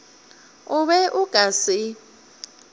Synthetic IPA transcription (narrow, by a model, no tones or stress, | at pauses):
ʊβɛʔʊɡ̥ʱasɪ